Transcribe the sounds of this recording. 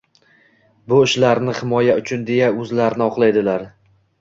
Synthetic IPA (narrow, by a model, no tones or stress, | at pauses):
bʊɪʃlaɾnɪhɪmɒjaʊt͡ʃʰʊnd̪e̞jaɵzlaɾnɪɒqlˠajd̪ɪlaɾ